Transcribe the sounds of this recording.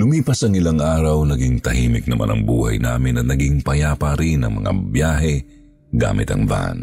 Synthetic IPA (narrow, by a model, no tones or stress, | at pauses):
lʊmiːpɐsɐŋɪlaŋʔaːɾɐwnɐɡiŋt̪ɐhiːmɪk̚nɐmʔa̰nɐ̰ŋbuːhɐ̰jna̰ːmɪnːɐnɐɡiŋpɐjaːpɐɾinɐŋmɐ̰ŋa̰bjaːɦɛ | ɡa̰ːmɪ̰t̪ɐ̰ŋva̰n